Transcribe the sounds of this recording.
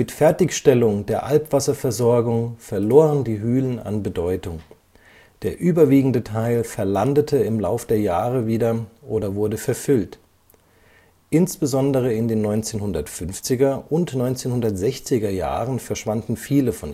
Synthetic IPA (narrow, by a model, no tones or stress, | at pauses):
mɪtfɛɐtɪçʃtɛlʊŋdeːɐʔalpv̥asɐfɛɐzɔɐɡʊŋfɛɐloːʁəndiːɦyːləna̰nbədɔʏtʊŋ | d̥eːɐʔyːbɐviːɡŋ̩dətʰaɪlfɛɐlandətʰəɪmlaʊfəd̥eːɐjaːʁəviːdɐʔoːdɐvʊɐdəfɛɐfʏlt | ʔɪnsb̥əzɔndəʁ̞əɪndeːnːɔʏnt͡seːnhʊndɐtfʏnft͡sɪɡɐʔʊntnɔʏnt͡seːnhʊndɐtz̥ɛçt͡sɪɡɐja̰ːʁənfɛɐʃv̥andn̩fiːləfɔn